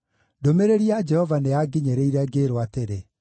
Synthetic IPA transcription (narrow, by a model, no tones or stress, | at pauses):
domeɾeɾiad͡ʒɛhɔvaneaɡiɲeɾeiɾɛɡeːɾoateɾe